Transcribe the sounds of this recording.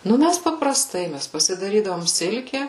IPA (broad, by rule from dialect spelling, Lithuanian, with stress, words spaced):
ˈnʊ ˈmʲæs pɐprɐˈstɐɪ ˈmʲæs pɐsʲɪdɐˈrʲiːdɐʋoːm ˈsʲɪlʲkʲɛ